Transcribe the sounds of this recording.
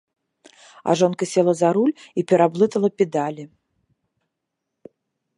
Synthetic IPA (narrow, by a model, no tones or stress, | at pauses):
a̰ʐɔnkɐsʲɛlˠɐzaɾulʲipʲɛɾablˠɨt̪ɐlˠɐpʲɛd̪alʲi